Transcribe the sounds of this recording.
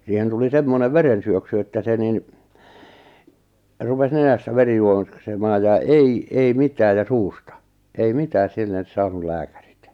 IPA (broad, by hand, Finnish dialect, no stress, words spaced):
siːhen tuli semːoneʋ ʋerensyøksy etːæ se nin rupes nenæstæ ʋeri juoksemɑːj jɑ ei ei mitæːj jɑ suːstɑ ei mitæːs silːen̞s sɑːnul læːkærit